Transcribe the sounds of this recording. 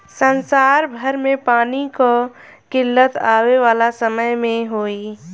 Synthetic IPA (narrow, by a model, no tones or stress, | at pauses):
sənsaːɾbʱəɾmẽpaːniko | kɪlːət̪aːweʋaːlasəməjmẽɦoːi